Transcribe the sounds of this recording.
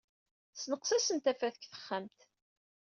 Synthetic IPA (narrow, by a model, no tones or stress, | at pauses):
snəqsæsənt̪æfæðəkθə̥χːamt̪